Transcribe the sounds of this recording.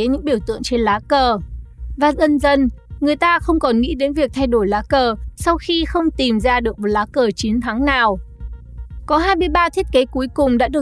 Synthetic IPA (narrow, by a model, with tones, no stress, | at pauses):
ɲɨ̰˧˥ŋɓi˧˩əwt̪ɨ̰˧˨əŋt͡ɕe˧nlaː˨˦kəː˨˩vaː˨˩zə˧nzə˧nŋɨ˨˩əjt̪aː˧xə˧wŋ͡mkɔ˨˩nŋḭ˧˥ɗe˨˦nvi˨˩ək̚t̪ʰa˧jɗo˧˩jlaː˨˦kəː˨˩sa˧wxi˧xə˧wŋ͡mt̪i˨˩mzaː˧ɗɨ˨˩ək̚mo˨˩t̚laː˨˦kəː˨˩t͡ɕi˨˦ənt̪ʰa˨˦ŋnaː˨˩w | kɔ˨˦ɦaː˧jmɨ˧əjɓaː˧t̪ʰi˦˥t̚ke˨˦ku˨˦jkʊ˨˩ŋ͡mɗa̰ː˧˥ɗɨ˨˩ə